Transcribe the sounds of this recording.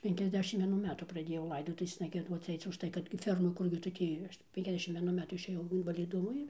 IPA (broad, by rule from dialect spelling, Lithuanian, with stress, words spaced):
ˌpʲɛŋʲkʲɛzʲˈdʲæːʃʲɪmt ʋʲiɛˈnuː ˈmʲæːtuː prɐˈdʲeːjɛʊ ˈlˠɐɪdoːtʊʋʲeːsnɐ ɡʲiɛˈduɔt͡s ˈɐɪt͡s ʊʃˈtɐɪ kɐt ˈfʲɛrmɐ ˈkʊrʲɡʲɪ tʊ ˈtʲiː ˌpʲɛŋʲkʲɛzʲˈdʲæːʃʲɪm ʋʲiɛˈnʊ ˈmʲæːtuː ɪʃʲeːˈjɛʊ ɪnʋɐlʲɪˈdʊmoː ɪr